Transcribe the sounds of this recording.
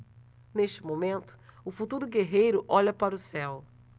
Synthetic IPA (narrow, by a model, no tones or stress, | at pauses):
neʃt͡ʃɪmomẽnt̪ʊ̥ʊfut̪uɾʊɡeɦejɾʊʔɔʎɐpaɾʊsɛw